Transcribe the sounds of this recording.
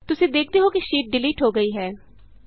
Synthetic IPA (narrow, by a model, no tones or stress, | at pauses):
t̪ʊsẽd̪eːk̚ʰt̪eɦokiʃiːʈ̚ɖɪliːʈɦoɡɐiɦɛː